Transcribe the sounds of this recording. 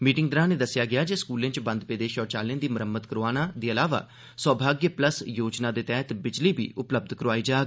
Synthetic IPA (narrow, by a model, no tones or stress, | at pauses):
miːʈɪŋɡd̪əɾãːneːd̪əsːɪjaːɡɪaːd͡ʒeːskuːlẽːt͡ʃbə̃nd̪peːd̪eːʃɔːt͡ʃaːlẽːd̪iːməɾəmːət̪kəɾoaːnãːd̪iːəlaːʋa̰ː | sɔːbʱaːɡjəpləsjoːd͡ʒnaːd̪eːt̪ɛːt̪bɪd͡ʒliːbḭːʔʊpləb̚d̪kəɾʋaːiːd͡ʒaːɡ